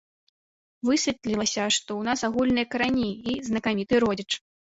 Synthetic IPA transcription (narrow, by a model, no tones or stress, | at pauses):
vɨsʲit̪ʲlʲilˠɐsʲɐʂt̪ɔwnasaɣulʲnɨjɐkɐɾanʲiːznɐkamʲit̪ɨɾɔd͡zʲɛt͡ʂ